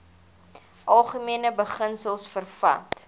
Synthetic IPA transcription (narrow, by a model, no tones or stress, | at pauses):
ʔɐlˠχəmiənəbəχənsəlˠsfərfɐ̰t